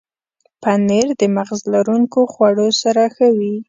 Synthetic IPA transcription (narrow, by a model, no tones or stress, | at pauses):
paneɾd̪əmaɣzlaɾuŋkoxwaɽosaɾaxawi